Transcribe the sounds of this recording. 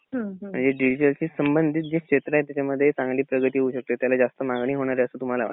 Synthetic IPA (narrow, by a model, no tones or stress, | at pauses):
ɦm̤əɳd͡zeɖid͡ʑiʈəlt͡ɕiːsəmbənd̪ʱiːt̪̚d͡ʑekʂet̪ɾaɦet̪jat͡ɕaməd̪ʱːjet͡sãŋɡliːpɾəɡət̪iːɦouɕək̚t̪et̪jalad͡zast̪əmaŋɡɳ̃iːɦoɽ̃aɾeəsəːt̪um̤alaa̰